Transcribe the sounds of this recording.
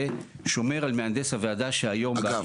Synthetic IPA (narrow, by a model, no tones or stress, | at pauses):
e | ʃo̞me̞ʁalmeand̪eshavead̪aʃeajo̞mba